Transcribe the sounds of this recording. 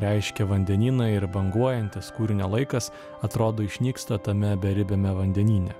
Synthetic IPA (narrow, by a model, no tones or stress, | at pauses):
ɾʲɛɪʃʲkʲɛʋɐnʲd̪ʲɛnʲiːnɐɪɾbɐŋɡuɔjɛnʲt̪ʲɪskuːɾʲɪnʲɛlˠɐɪkɐs | ɐt̪ɾoːd̪oːɪʃʲnʲiːkst̪ɐt̪ɐmʲɛbʲɛɾʲɪbʲɛmʲɛʋɐnʲd̪ʲɛnʲiːnʲɛ